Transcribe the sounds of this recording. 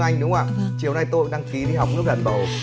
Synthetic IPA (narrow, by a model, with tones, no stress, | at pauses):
ʔa˧jŋ̟ɗʊ˨˦ŋ͡ma̰ː˧˨t͡ɕi˨˩əwna˧jt̪o˧jɗaː˧ŋki˨˦ɗi˧ɦa˨˩wk͡p̚nɨ˦˥p̚lə̰˧˨nɓə̰˧˩w